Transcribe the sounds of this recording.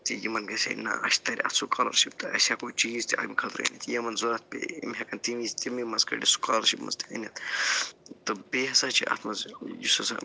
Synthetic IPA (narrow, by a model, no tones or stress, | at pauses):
t̪ijimɐnɡɐsʲḛnɐ̰ɐ̰ʃt̪ɐɾʲiɐ̰t̪sukʰɐlɐ̰ɾʃib̚t̪ɨɐ̰sʲakot͡ʃiːzt̪iɐ̰ɡmikʰɐt̪ɾɐ̰nʲit̪ʰjɐmɐnzoɾɐt̪̚pḛimʲɦɐkɐnt̪imist̪imimɐzkɐ̰ɖisu̥kɐːlɐɾʃibmɐ̰zt̪i̥ɐ̰nʲɐt̪ | t̪ɨbeɦɐsaːt͡ʃʰiʔɐ̰t̪ʰmɐzjusɐsa̰